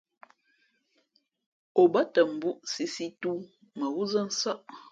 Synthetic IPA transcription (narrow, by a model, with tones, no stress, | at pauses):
o˨bə˦tə˨m̩˨bu˦ʔsi˦si˦tu˦ | mə˨wu˦zə˦n̩˦sa˦ʔ